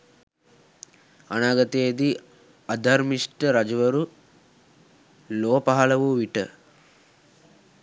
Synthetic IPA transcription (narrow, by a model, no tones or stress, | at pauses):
ɐnaːɡɐt̪eɐd̪i | ɐd̪ʱɐɾmiʂʈɐɾɐd͡ʒuʋɐɾu | loːpɐɦɐlɐʋuʋiʈɨ